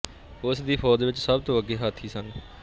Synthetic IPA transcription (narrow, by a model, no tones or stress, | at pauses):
ʊsd̪iːpʰɔːd̪ʋɪt͡ʃsəb̚t̪õːəɡːeːɦaːt̪ʰiːsən